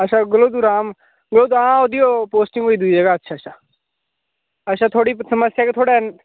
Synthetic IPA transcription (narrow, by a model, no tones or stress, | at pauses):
əʃʰaɡəloːd̪uɾaːm | ɡəloːd̪uãod̪ijopoːsʈɪ̃ŋɡoːid̪uid͡ʒəɡaətːʃʰaːt͡ʃʰaː | əʃʰaːt̪ʰoːɽiːsəməsjaːket̪ʰoːɽen